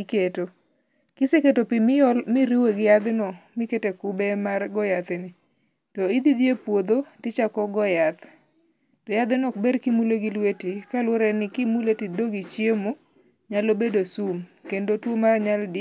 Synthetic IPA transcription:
keto | kɪseketopimɪjɔlmɪɾiweɡɪjad̪ɪnɔmɪketekʊbemarɡɔjat̪ɪnɪ | tɔid̪id̪jepwod̪otɪt͡ʃakɔɡɔjat̪ | tɔjad̪ɪnɔberkimuleɡilwetikalwoɾɛnɪkimuletidoɡit͡ʃjemo | ɲalobedosumkendotwomaɲaldɪ

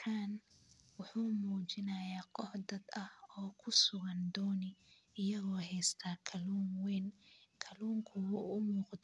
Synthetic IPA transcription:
kʰan | wʊħuːmuːt͡ʃɪnɐjaːqɔħd̪ɐd̪ɐhɔːkʰʊsʊɣɐnd̪ɔːnɪ | ɪjɐɣɔːɦɛjst̪ʰaːkʰɐluːnwɛnkʰɐluːŋkʰʊwʊʊmuːqd̪

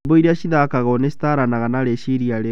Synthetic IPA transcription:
boiɾeaɕiðakaɣɔnesi̥taɾanaɣanaɾeʃiɾiaɾe

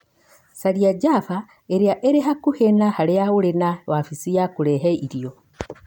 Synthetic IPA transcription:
saliaɟaːfa | eɾiaʔeɾeɦakuhenahalejaɣulenawafisijakuɾeɦeiɾijo

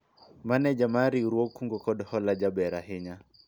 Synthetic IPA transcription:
manɛd͡ʒamaɾiɾuɔkuŋɡɔkɔdɔhɔlad͡ʒabɛɾaɦɪɲa

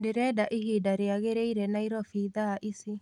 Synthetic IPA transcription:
deɾɛːdaʔiɦidaɾeaɣeɾeiɾɛnaiɾɔfiðaʔisi

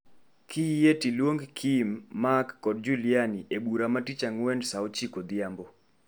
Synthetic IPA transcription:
kʰijetilwoŋɡkʰimːakːɔd̚d͡ʒulianiʔebuɾamatit͡ʃaŋwɛndsaot͡ʃikod̪ɪambo

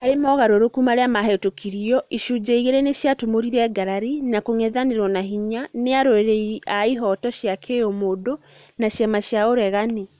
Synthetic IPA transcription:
aɾemɔɣaɾoɾokumaɾeamaɦɛtokʰiɾiɔʔiʃud͡ʑaiɣeɾeneɕjatomoɾiɾɛːɡaɾaɾinakoŋɛðaneɾwɔnaɦiɲaneaɾoeɾeiʔaiɦɔtɔɕjakʰeomodo | naʃjamaʃjaoɾɛɣane

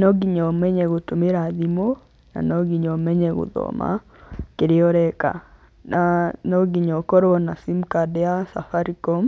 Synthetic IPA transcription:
nɔɡiɲɔmɛɲɛɣotomeɾaðimo | na̰nɔɡiɲɔmɛɲɛɣo̰ðɔ̰ma̰ | keɾeɔɾɛka̰ | nanɔɡiɲɔkɔɾɔɔnasimkadɛasafaɾikɔm

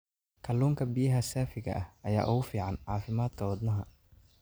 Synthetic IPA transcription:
kʰɐluːŋkʰɐbɪjɐɦɐsaːfɪɣɐ̰ʔɐhɐja̰ːʔʊɣʊfiːʕɑnʕɑːfɪmaːd̪̥kʰɐwɐd̪nɐɦɐ

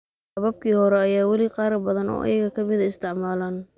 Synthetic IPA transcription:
hɐβɐb̚kʰiːhɔɾɛɐjaːwɑliqɑːɾɐbɐðɐnɔ̰ːʔɐ̰jɐɣɐkʰɐmɪðɐɪst̪ʰɪʕmaːlaːn

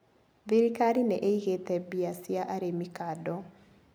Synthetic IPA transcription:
biɾikaɾinɛʔeiɣetɛbiasiaʔaɾemikadɔ

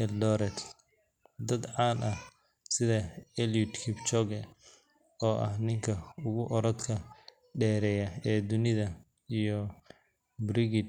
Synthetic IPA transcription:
ʔɛldɔɾɛt̪ | d̪ɐd̪ʕɑːnʔɐh | sɪðɐɛljʊt̪kʰɪbt͡ʃɔɡɛ | ɔːʔɐ̰hnɪŋkʰɐʊɣʊʔɔɾɔt̪kʰɐ | ɖɛːɾɛjɐɛːd̪ʊnɪðɐ | ijɔ | bɾɪɡɪd̪̚

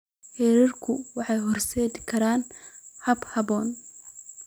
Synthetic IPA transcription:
hɛːɾɪrkʰʊwɑħɑjhɔrsɛːd̪ɪkʰɐɾaːnhɐbhɐbɔːn

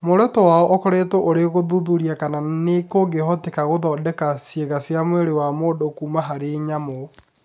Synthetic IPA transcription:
moɾɛtɔwaːɔʔɔkɔɾetɔʔoɾeɣoðuðuɾiakananekoɡeɦɔtekaɣoðɔːdɛkasjeɣasjamweɾewamoːdokumaɦaɾeɲamɔ

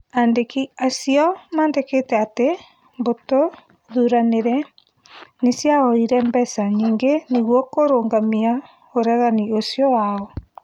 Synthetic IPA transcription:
andekiasiɔmaːndeketɛate | mboto | ðuɾaneɾɛ | nesjaɔiɾɛmbɛsaniːŋɡeniɣwɔkoɾoːŋɡamia | oɾɛɣaniosjɔwaɔ

